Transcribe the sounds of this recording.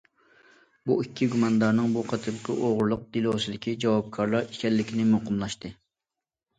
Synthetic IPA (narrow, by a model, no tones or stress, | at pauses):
buikʲʰːiɡumɑnɨd̪ɑɾnɨŋbuqʰɑt̪ʰɨɾqʰəʔoʁɾlˠʊq̚d̪̥ilˠosɨd̪ɪkʲid͡ʒɑwɑp̚kʰɑɾlˠɑɾi̥kʲɛlːɪkʲʰinɪmoqəmlˠɑʃt̪ɨ